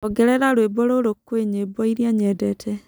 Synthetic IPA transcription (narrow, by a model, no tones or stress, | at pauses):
ɔɡɛɾɛɾaɾwebɔɾoɾokːweɲebɔiɾjaɲɛdɛtʰɛ